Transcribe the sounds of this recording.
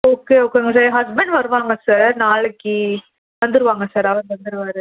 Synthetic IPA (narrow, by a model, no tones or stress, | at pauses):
oːkeːoːkeŋɡɐs̬aːɾɦɐsbɛɳɖʋɐɾɯʋaːŋɡɐsaːɾnaːɭɯkːi | ʋɐnd̪ɯɾɯʋaːŋɡɐsaːɾɐʋɐ̃nʋɐnd̪ɯɾɯʋaːɾɯ